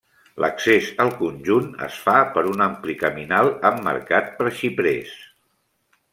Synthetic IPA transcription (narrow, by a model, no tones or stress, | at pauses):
lʔəksesəlˠkunʲʒunə̰sfapəɾunamplikəminalˠəmːə̰ɾkat̪̚pɾəsipɾes